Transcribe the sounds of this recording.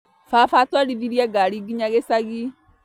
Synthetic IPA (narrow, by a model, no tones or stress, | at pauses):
fafatwaliðiɾjaɡaliɡiɲaɣesaɣi